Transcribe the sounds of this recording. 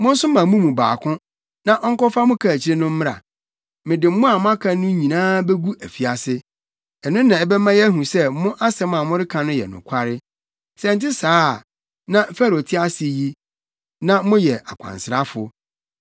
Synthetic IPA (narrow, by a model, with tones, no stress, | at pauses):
mʊ̃˦n̩˦sʊ˦mã˨mũ˦mũ˨ba̰ː˨kʰʊ̃˦ | nã˨ʔɔ˦ŋ̩˦kɔ˦fa˦mʊ̃˦kʰa˨t͡ɕʰɪ˦ɾɪ˦nʊ̃˦m̩˦ɾa̰˨ | mɪ̃˨dɪ˨m̩˦mʊ̃˦a˨mʊ̃˦a˦kʰã˦nːʊ̃˦ɲĩ˨nãː˦bɛ˦ɡu˦æ˨fi˨a˨sɪ˦ | ɛ˨nʊ̃˦nːã˨ɛ˨bɛ˦mã˦jɛ˦æ˦ɦũ˨sɛ˦mʊ̃˦ʔa˦sɛ˦m˦ã˨mʊ̃˦ɾɪ˦kʰã˨nʊ̃˦jɛ̰˨nʊ̰̃˨kʷʰa˦ɾɪ˦ | sɛ̃˨n̩˨tɪ˦saː˦˨ | nã˦fɛ˦ɾo˨tʰɪ˦a˦sɪ˦ji˦ | nã˦mʊ̃˦jɛ˨a˨kʷʰã̰˨nsɪ˨ɾa˦fʊ̰˨